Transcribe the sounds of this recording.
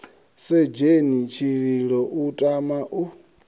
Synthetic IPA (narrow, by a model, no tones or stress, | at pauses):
sɛd͡ʒenit͡ʃʰiɺiɺɔʔutʼamaʔu